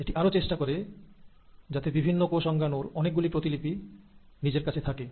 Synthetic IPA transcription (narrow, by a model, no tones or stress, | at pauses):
eʈiʔaɾot͡ɕeʃʈakoɾe | d͡ʑat̪ebibʱinːokoʃɔŋɡʱanoɾɔnek̚ɡulipɾot̪ilipi | nid͡ʑeɾkat͡ɕʰet̪ʰake